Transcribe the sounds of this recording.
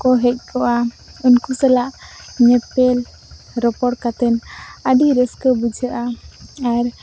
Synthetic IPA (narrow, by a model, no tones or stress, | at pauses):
kɔɦɛc̚ˀkʰɔʔa | unkusɛlaʔɲɛpɛl | ɾɔpɔɽ̚kat̪ɛnəɖiɾəskəbud͡ʒʱəʔaaɾ